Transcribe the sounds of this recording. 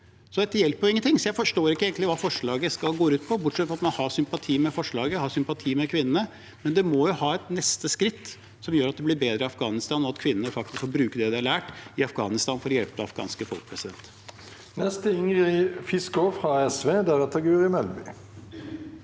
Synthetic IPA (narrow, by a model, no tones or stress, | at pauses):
sɔd̪ɛt̪ːəjɛlpːɔɪŋːənt̪ʰɪŋsɔjæɪfɔʂʈoːɾɪkːəeːɡəɪʋɑːfɔʂɭɑːɡəskɑlɡoːɾʉːt̪pʰɔbʊʈʂɛt̪fɔɾɑt̪mɑnhɑsʏmpɑt̪ʰiːmɛfɔʂɭɑːɡəhɑsʏmpɑt̪ʰiːmɛkʰʋɪnːənə | mɛnd̪ɛmɔjʊhɑːɛt̪nɛst̪əskɾɪt̪ː | sɔmjøːɾɑt̪̚d̪ɛblɪɾbeːd̪ɾəɪɑfɡɑːnɪst̪ɑːnɔɑt̪kʰʋɪnːənəfɑk̚t̪ɪskfɔɾbɾʉːkəd̪ɛd̪ɛæɭæːʈɪɑfɡɑ̰ːnɪst̪ɑːnfɔɾɔjɛlpəd̪ɛɑfɡɑ̰ːnskəfɔ̰lkəpʰɾɛsɪd̪ɛnt̪ | nɛst̪əʏŋʁəɪfɪskɔfʁɑɛsʋeːd̪æʁɛt̪ʰɑɡʉːʁɪmɛlbʏ̰